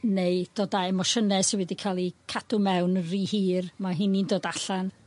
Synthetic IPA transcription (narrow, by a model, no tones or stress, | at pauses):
nejd̥oːdaɛmɔʃənɛsiwɛdikʰalˠikʰad̥ʊmɛwnənriːhiːrmaɦɪnindoːdaɬan